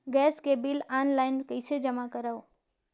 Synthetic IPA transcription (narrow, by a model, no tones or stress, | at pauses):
ɡɛːskebilaːnlaɪnkəɪsed͡ʒəmakəɾao